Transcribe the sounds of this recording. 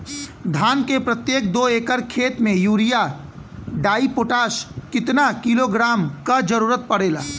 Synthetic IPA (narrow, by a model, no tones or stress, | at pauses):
d̪ʱaːnkepɾət̪jeːk̚d̪oːeːkəɾkʰeːt̪mẽjuːɾija | ɖaːipoːʈaːskɪt̪nakiloɡɾaːmkad͡ʒəɾuːɾət̪̚pəɽeːla̰ː